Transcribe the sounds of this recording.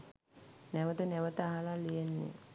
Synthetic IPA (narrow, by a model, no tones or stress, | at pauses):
næʋət̪ənæʋət̪əaɦalalijenːḛ